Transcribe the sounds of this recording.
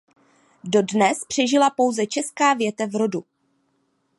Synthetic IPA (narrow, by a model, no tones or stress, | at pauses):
do̞dnɛspr̥ɛʒɪlapo̞wzɛt͡ʃɛskaːvjɛt̪ɛvɾo̞du